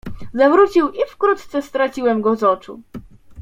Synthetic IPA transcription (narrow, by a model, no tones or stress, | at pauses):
zavɾut͡ɕiwʔifkɾut̪t̪sɛst̪ɾat͡ɕiwɛmɡɔzɔt͡ʂṵ